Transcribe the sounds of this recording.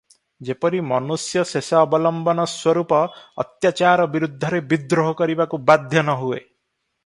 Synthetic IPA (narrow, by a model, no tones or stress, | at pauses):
d͡ʒepɔɾimɔnusjɔsesaɔbɔlɔmbɔnɔswɔɾupɔ̰ːt̪jat͡ʃaɾɔbiɾud̪ʱːɔɾebid̪ɾoɦɔkɔɾibakubad̪ʱjɔnɔɦue